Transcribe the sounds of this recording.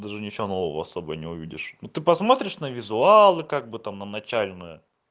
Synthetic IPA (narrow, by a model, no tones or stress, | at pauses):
d̪aʐɨnʲɪt͡ɕɪvono̞vəvəɐsobəjnʲɪʊvʲidʲɪ̰ʂnut̪ɨpɐsmo̞t̪ɾʲɪʂnəvʲɪzʊalˠɨkaɡ̚bɨt̪amnənɐt͡ɕælʲnɨjə